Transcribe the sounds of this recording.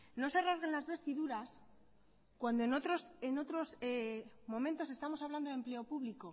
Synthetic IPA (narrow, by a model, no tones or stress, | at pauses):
no̞sarazɣenlazβe̞st̪iðuɾas | kwand̪oenot̪ɾosenot̪ɾo̞s | mõ̞ment̪o̞se̞st̪amosaβland̪o̞ðe̞mple̞o̞puβliko̞